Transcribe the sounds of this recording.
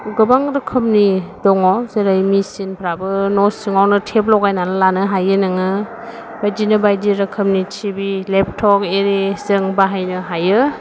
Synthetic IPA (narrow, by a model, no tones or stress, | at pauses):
ɡɯbaŋɾɯkʰɯmnidɔŋɔzeɾajmisinpʰɾabɯnɔsɯŋawnɯtʰep̚lɔwɡajnanɯlanɯɦajɯnɯŋɯ | bajdinɯbajdiɾɐkʰɯmnitʰibilep̚ʰtʰɔkeɾezɯŋbaɦajnɯɦajɯ